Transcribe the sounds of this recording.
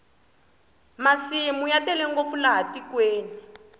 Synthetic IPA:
masimujatɛlɛŋɡofulaɦatikweːni

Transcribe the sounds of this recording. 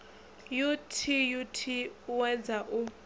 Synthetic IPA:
jutʰijutʰiwɛd͡zaʔu

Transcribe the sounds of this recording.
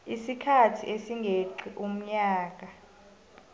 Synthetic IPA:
isikʰatʰiʔesiŋɡʱeǃiʔum̩ɲaːk̬a

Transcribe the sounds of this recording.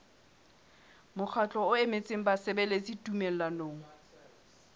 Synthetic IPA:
mʊk͡xʰat͡ɬʼɔʊemet͡sʼɪŋ̩basɪbɛlet͡situmɛl̩lanoːŋ̩

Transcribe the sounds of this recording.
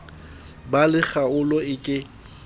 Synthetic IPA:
balɪχaʊlɔɪkʼɪ

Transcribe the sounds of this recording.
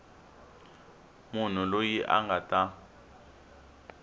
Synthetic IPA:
mun̤ulojiʔa̰ŋɡatʼa

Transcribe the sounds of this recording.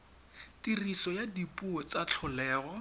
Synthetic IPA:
tirisɔjadipuɔt͡sat͡ɬʰʊlɛːɣɔ

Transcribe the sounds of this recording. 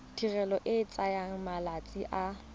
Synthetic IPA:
tʰirɛlɔʔɪːt͡sʼajaŋ̩malat͡sʼiʔa

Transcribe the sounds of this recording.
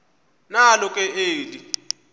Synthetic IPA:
nalɔkʼɛeːli

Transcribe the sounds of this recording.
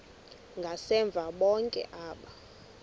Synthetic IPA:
ŋɡʱasɛɱb̪vʱaɓɔŋkʼɛ̰ʔaːɓa

